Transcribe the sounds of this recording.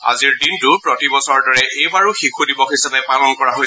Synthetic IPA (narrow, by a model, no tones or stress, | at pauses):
a̰ziɹdintʊpɹɔtibɔsɔɹdɔɹɛʔejbaɹʊxikʰudibɔkhisabɛpalɔnkɔɹaɦoj